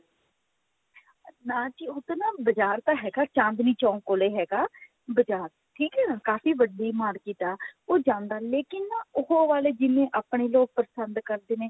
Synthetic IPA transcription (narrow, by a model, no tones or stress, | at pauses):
nãːt͡ʃiːʊt̪nãːbəd͡ʒaːɾt̪aːɦɛːɡaːt͡ʃãːnd̪nĩːt͡ʃaːũkoːleːɦɛːɡaː | bəd͡ʒaːɾ | ʈʰiːkɦɛːnãːkaːfiːʋəɖiːmaːɽkiːt̪aːoːd͡ʒãːnd̪aːleːkɪnaʊɦoːʋaːleːd͡ʒɪmẽːʔaːpɳeːloːɡ̚pəɾəsənd̪kəɾd̪eːneː